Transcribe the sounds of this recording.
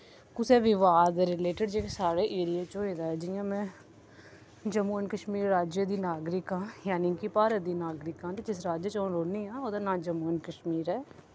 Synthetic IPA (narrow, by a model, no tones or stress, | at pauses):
kʊsɛːʋɪʋaːd̪ɛɾɪleːʈɪɖd͡ʒeːkesaːɾeːʔeːɾijaːt͡ʃoːeːd̪aːɦɛːd͡ʒɪjãːmɛ̃ː | d͡ʒəmuːənkəʃmiːɾːaːd͡ʒjəd̪iːnaːɡɾɪkɦãːjaːnikipaːɾəd̪iːnaːɡɾɪkãːt̪ed͡ʒɪsɾaːd͡ʒjət͡ʃoːɾoːniãːoːd̪anãːd͡ʒəmuːnkəʃmiːɾɦɛː